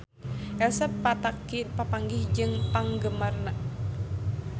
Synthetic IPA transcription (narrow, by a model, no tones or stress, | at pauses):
ʔɛsəpːat̪akipapaŋɡɪhd͡ʒɨŋpaŋɡəmarnaʔ